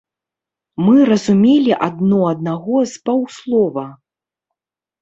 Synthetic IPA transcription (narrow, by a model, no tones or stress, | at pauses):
mɨrɐzumʲelʲiʔad̪nɔɐd̪̚naɣɔzbawslˠɔvɐ